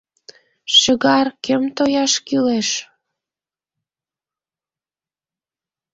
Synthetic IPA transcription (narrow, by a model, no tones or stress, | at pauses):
ʃə̆ɣɑrkemt̪ojɑʃkyleʃ